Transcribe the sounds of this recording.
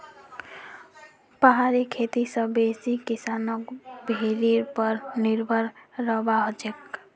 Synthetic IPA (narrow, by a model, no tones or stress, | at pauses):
pəɦaɾikʰet̪isə̃besikisanɔkbʱeɾiɾpəɾniɾbʱəɾɾəbaɦod͡ʒek